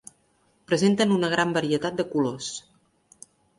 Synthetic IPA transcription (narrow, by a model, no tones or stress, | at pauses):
pɾəzent̪ənunəɣ̞ɾambəɾiət̪at̪̚d̪əkulos